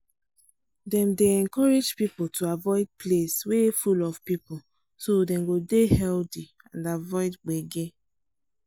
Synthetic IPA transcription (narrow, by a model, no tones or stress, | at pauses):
dɛ̃mdeɛ̃ŋkɔɹed͡ʒpipotʰuavɔɪd̚pʰleswefulɔvpipo | sodɛ̃mɡodehɛlti | ãndavɔɪdɡ͡beɡe